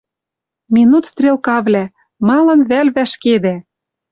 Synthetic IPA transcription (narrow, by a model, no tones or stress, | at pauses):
minut̪st̪rʲelˠkɑβlʲæ | mɑlɤ̆nβælβæʃked̪æ